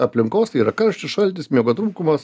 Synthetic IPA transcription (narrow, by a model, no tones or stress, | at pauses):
ɐpʲlʲɪŋkoːsiːɾɐkɐɾʃʲt͡ʃʲʊsʃɐlʲt̪ʲɪsmʲiɛɡot̪ɾuːkʊmɐs